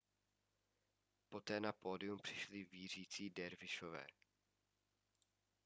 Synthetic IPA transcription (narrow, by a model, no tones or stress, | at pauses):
po̞t̪ɛːnapo̞ːdɪumpr̝̥ɪ̥ʃlɪviːr̝iːt͡siːdɛɾvɪʃovɛ̰ː